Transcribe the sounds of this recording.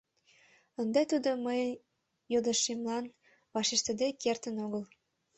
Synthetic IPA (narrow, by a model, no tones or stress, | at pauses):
ənd̪æt̪ud̪oməj | jod̪ə̆ʃimlɑn | βɑʃeʃt̪ə̆d̪ekert̪ə̆noɣəl